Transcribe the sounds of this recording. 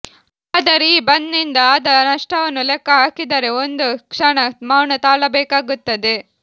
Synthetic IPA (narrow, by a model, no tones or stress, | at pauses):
ɐd̪ɐɾiːbɐnːind̪ɐːd̪ɐnɐʂʈɐʋɐnːulɛkːɐɦaːkid̪ɐɾeond̪ukʂɐɳɐmaːwɳɐt̪aːɭɐbɛːkaːɡut̪ːɐd̪e̞